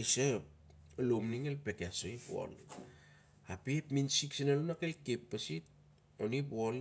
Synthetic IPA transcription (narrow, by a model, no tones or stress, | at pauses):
esop | lomniŋelpekeasoipo̰l | apiepminsiksinalunakajkepːasit̚ | onipol